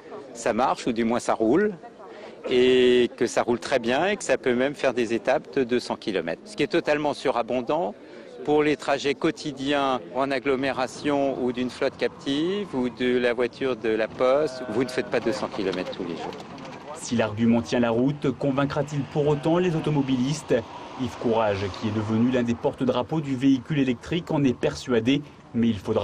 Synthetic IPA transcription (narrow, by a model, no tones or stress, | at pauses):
samaʁʃud̪ymwɛ̃saʁul | ekəsaʁult̪χɛbjɛ̃ekə̥sapømɛmfɛʁd̪ezet̪apd̪əd̪øsɑ̃kʲilɔ̰mɛ̰t̪χsə̥kʲiɛt̪ɔt̪almɑ̃syʁabɔ̃d̪ɑ̃ | puʁlet̪χaʒɛkɔt̪ʰid̪jɛ̃ɑ̃naɡlɔmeʁasjɔ̃ud̪ynflɔt̪kʲap̚t̪ʰivud̪əlavwat̪ʰyʁd̪əlapɔst̪vunəfɛt̪̚pad̪əsɑ̃kʲilɔmɛt̪χt̪ːulḛʒṵːʁ | silaʁɡʲymɑ̃t̪jɛ̃laʁut̪kɔ̃vɛ̃kχat̪ilpuʁot̪ɑ̃lezot̪ɔmɔbilist̪ | ifkuʁaʒkʲʰiɛd̪əvənylɛ̃d̪epɔʁt̪əd̪ʁapod̪yveikʲylelɛk̚t̪χikɑ̃nɛpɛʁsɥad̪e | mɛilfod̪ʁa